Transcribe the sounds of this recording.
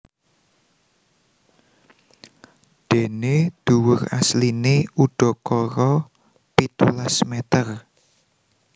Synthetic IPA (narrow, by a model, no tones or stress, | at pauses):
d̪̥e̤ned̪̥ṳwʊraslineuɖ̥ɔ̤kɔɾɔ | pit̪ulasmet̪ər